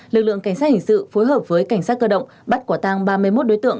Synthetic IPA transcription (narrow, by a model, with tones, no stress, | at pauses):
lɨ˨˩k̚lɨ̰˧˨əŋka˧˩jŋ̟saː˦˥hï˧˩ŋ̟sɨ̰˧˨fo˨˦jɦəː˨˩p̚vəː˨˦jka˧˩jŋ̟saː˦˥t̚kəː˧ɗə̰˧˨wŋ͡mɓa˦˥t̚ka˧˩t̪aː˧ŋɓaː˧mɨ˧əjmo˦˥t̚ɗo˨˦jt̪ɨ̰˧˨əŋ